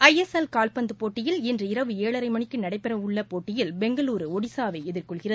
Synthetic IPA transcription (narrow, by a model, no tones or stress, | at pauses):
ɐjɛsɐlkaːlpɐnd̪ɯpoːʈːɪjɪlɛndrɯɪɾɐʋɯeːɭɐɾɐɪmɐɳɪkːɯnɐɽɐɪpːɛrɐʋʊɭːɐpoːʈːɪjɪlbɛŋɡɐluːɾɯɔɽɪsaːʋɐɪɛðɪrkɔɭɣɪrɐðɯ